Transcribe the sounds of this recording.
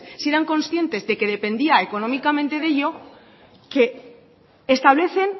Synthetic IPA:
se̞ɾaŋkõ̞nsθje̞nt̪e̞zðe̞ke̞ðe̞pe̞nd̪iae̞ko̞nõ̞mikamẽnt̪e̞ðe̞ʎo̞ | ke̞ː | st̪aβ̞le̞θe̞n

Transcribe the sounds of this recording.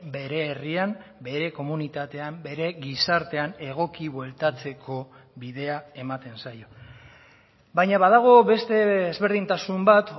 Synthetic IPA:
be̞ɾe̞ːriambe̞ɾe̞ko̞munit̪at̪e̞ambe̞ɾe̞ɣisaɾt̪e̞ane̞ɣ̞o̞kiβwe̞lt̪at͡se̞kʰo̞ | βiðe̞ae̞mat̪e̞nsajo̞ | bajɲaβaðaɣ̞o̞βe̞st̪e̞ezβe̞ɾðint̪asumbat̪

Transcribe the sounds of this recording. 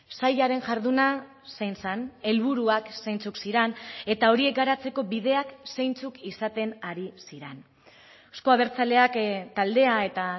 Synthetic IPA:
sajaɾe̞nʝaɾðuna | sejnsane̞lβ̞uɾuakse̞jnt͡suksiɾene̞t̪ao̞ɾie̞k̚ɡaɾat͡se̞ko̞βiðe̞aksejnt͡sukisat̪e̞naɾisiɾen | osko̞aβ̞e̞ɾt͡sale̞akt̪ald̪e̞ae̞t̪a

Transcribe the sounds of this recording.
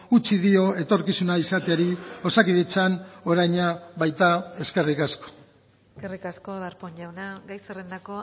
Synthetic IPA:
ut͡ʃiðio̞e̞t̪o̞ɾkisunaisat̪eaɾio̞sakiðet͡sano̞ɾajɲaβajt̪ae̞ske̞rikasko̥ | eskerikaskoðaɾpoɲʎawnaɡajserend̪ako̞

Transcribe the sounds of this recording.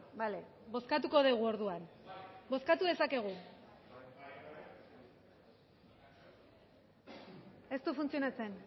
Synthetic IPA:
bale̞ | bo̞skat̪̬uko̞ð̞eɣ̞uo̞ɾðuanbo̞skat̪uð̞e̞sake̞ɣ̞u | e̞st̪ufunt͡sio̞nat͡se̞n

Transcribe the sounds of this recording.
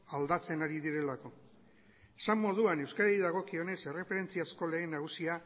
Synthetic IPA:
ald̪at͡se̞naɾið̞iɾe̞lako̞ | esamːo̞ð̞uanewskaɾaiðaɣ̞o̞kio̞ne̞se̞refe̞ɾe̞nt͡siasko̞le̞ːnːaɣ̞usia

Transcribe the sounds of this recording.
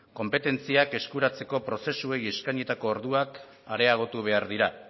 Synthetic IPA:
ko̞mpe̞t̪e̞nt͡siake̞skuɾat͡se̞ko̞pɾo̞se̞sue̞je̞skajɲet̪ako̞ːɾðuak | aɾe̞aɣ̞o̞t̪uβ̞e̞aɾðiɾa

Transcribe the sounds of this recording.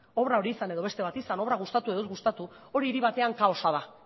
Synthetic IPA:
o̞βɾao̞ɾiːsane̞ðo̞β̞e̞st̪e̞βat̪isano̞βɾaɣ̞ust̪at̪uezɡust̪at̪u | o̞ɾiːɾiβ̞at̪e̞aŋkao̞saða

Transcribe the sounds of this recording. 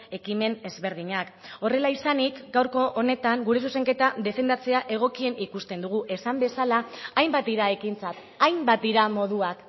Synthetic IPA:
e̞kime̞ne̞zβe̞ɾð̞iɲako̞re̞laisanikɡawɾko̞ʔːne̞t̪aŋɡuɾe̞s̬use̞ŋke̞t̪aðe̞fe̞nd̪at͡se̞aʔe̞ɣ̞o̞kie̞nikust̪e̞nd̪uɣ̞uʔe̞sambe̞salaːjmbat̪̚d̪iɾae̞kint͡sat̪ | ajmbat̪̚d̪iɾamo̞ð̞uak

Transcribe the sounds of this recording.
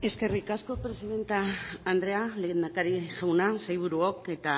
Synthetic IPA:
e̞ske̞rikasko̞pɾe̞siðe̞nt̪aːnd̪ɾe̞aleɣend̪akaɾiʝawnasajβ̞uɾuoke̞t̪a

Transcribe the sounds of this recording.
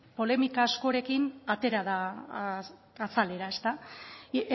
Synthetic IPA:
po̞le̞mikaːsko̞ɾe̞kinat̪e̞ɾaða | sale̞ɾae̞st̪a

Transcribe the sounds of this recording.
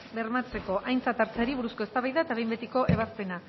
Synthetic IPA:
be̞ɾmat͡se̞ko̞ʔajnt͡sat̪aɾt͡seɾiβuɾusko̞est̪aβajðaet̪aβe̞jmbe̞t̪iko̞ʔe̞β̞aspe̞na

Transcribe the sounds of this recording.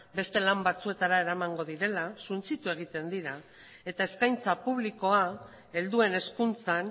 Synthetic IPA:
be̞st̪e̞lambat͡sue̞t̪aɾae̞ɾamaŋɡo̞ðiɾe̞lasunt͡sit̪ue̞ɣ̞it̪e̞nd̪iɾa | e̞t̪ae̞skajnt͡sapuβ̞liko̞a | e̞ld̪ue̞ne̞skunt͡san

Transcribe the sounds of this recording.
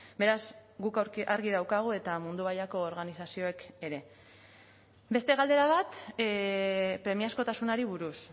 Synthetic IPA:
be̞ɾazɣukaɾaɾɣiðawkaɣ̞ue̞t̪amund̪uβaʎako̞ːɾɣanisasio̞ekeɾe̞ | be̞st̪e̞ɣald̪e̞ɾaβ̞at̪ | pɾe̞miasko̞t̪asunaɾiβuɾus

